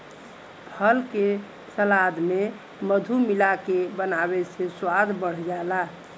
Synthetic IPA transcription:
pʰəlke | səlad̪me | məd̪ʱumilakebənabesẽswad̪bəɽ̤d͡ʒaela

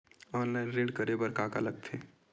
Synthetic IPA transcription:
ɔːnlaɪnɾeːɖkəɾebəɾkaːka̰ləɡ̚t̪ʰeː

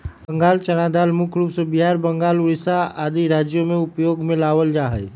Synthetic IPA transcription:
bə̃ŋɡaːlt͡ʃəɽ̃ad̪aːlmʊkʰɾuːpsəbiɦaːɾbəŋɡaːlʊɾɪsaaːd̪iɾaːd͡ʒjomẽʊpjoːɡmẽlaːʋəld͡ʒaːɦəj

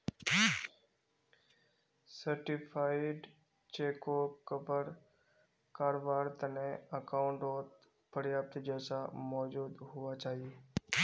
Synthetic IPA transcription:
səɾʈipʰaːɪɖ | t͡ʃeːkokəbəɾ | kaːɾbaːɾt̪əneəkaʊɳʈoːt̪ | pʰəɾjaːp̚t̪d͡ʒɛːsamɔːd͡ʒuːd̪ɦʊʋat͡ʃaːɦieː

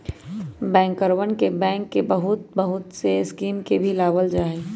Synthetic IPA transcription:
bɛ̃ːŋkəɾwənkebɛ̃ːŋkːebəɦʊt̪̚bəɦʊt̪seskiːmkebʱilaːʋəld͡ʒaːe

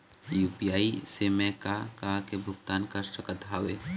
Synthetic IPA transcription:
juːpijaːisemẽkakakebʱʊɡt̪aːnkəʃʈəkət̪ʰaːʋeː

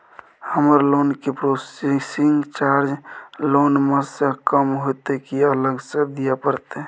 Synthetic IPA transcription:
həməɾlonkepɾosesiŋɡt͡ʃaɾd͡ʒlonmesẽkəmɦot̪ekiələɡsə̃d̪ijapəɾt̪e

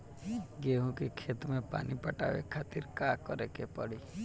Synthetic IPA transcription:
ɡeɦũkekʰet̪mẽpa̰ːnipəʈa̰ʋḛkʰat̪iɾkakɔɾekepəɽi

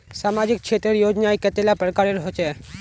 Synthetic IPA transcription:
samad͡ʑik̚t͡ʃʰet̪ɾeɾjod͡ʒnaeket̪elapɾəkaɾeɾɦot͡ʃʰe

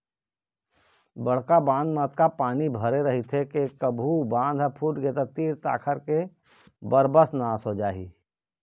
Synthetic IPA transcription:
bəɽ̤kabãːnd̪mət̪kapaːnibʱəɾeɾəɦit̪ʰekekəbʱubãːnd̪ɦəpʰuːʈɡeːt̪at̪iːɾt̪a̰ːkʰəɾke | bəɾbəsnaːsɦod͡ʒaːɦḭː

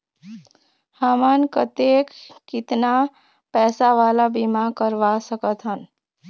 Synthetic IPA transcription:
hamankət̪ekːɪt̪na | pɛːsaʋalabimakəɾʋasəkət̪ɦən

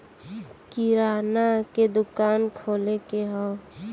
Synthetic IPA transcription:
kiɾaːnaked̪ʊkaːnkʰoːlekeɦɔː

